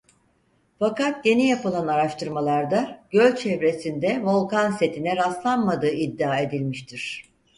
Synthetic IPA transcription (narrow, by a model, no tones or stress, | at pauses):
fakat̪̚je̞nijapɯlˠanaɾaʃt̪ʰɯɾmalˠaɾd̪aɟ̥ølʲt͡ʃʰɛvɾe̞sind̪ɛvo̞lˠkanse̞t̪ʰinɛɾast̪lˠanmad̪ɯːid̪ːiaːe̞d̪ilʲmiʃt̪ʰiɾ̥